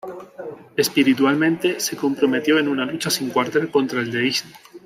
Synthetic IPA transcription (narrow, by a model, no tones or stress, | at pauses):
espiɾit̪walmẽ̞nt̪e̞se̞ko̞mpɾo̞me̞t̪jo̞enunalut͡ʃasiŋkwaɾt̪e̞lko̞nt̪ɾaeld̪eislo